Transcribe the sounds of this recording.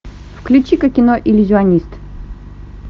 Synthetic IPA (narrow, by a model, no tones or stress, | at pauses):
fklʲut͡ɕikɐkʲɪnoʔɪlʲʊzʲɪɐnʲist̪